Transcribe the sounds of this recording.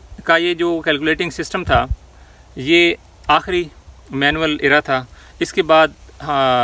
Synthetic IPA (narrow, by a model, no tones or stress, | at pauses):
kajed͡ʒoːkɛːlkuleːʈɪ̃ŋɡsɪsʈəmt̪ʰaː | jeː | aːxɾimɛːnuəlɪɾat̪ʰaː | ɪskebaːd̪̚